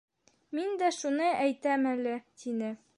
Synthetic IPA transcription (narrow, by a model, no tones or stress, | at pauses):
mind̪æʃunɤʔæjt̪æmælɘt̪inɘ